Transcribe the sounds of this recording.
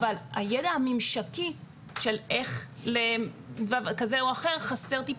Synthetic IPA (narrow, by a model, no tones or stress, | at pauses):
vala̰jedaamimʃaki | ʃelʔeχle | vavkazeuaχe̞ʁχase̞ʁt̪ip